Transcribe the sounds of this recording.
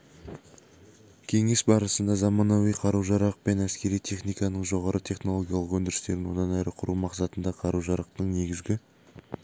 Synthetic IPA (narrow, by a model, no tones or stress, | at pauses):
kʲʰe̞ŋe̞sbɑɾəsənd̪ɑzɑmɑnɑwijqʰɑɾuwʒɑɾɑq̚pe̞næskʲe̞ɾijt̪ʰe̞χnijkɑnəɴʒo̞ʁɑɾʔət̪ʰe̞χno̞lˠo̞ɡʲijɑlˠəqwɵnd̪ɪɾɪst̪e̞ɾɪnwo̞d̪ɑnæɾɪqʰʊɾumɑqsɑt̪ənd̪ɑqʰɑɾuʒɑɾɑq̚t̪əɴne̞ɡʲɪzɡʲɪ